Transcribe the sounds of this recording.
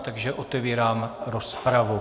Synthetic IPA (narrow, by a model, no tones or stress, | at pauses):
t̪aɡʒɛʔot̪ɛviːɾaːmɾospɾavu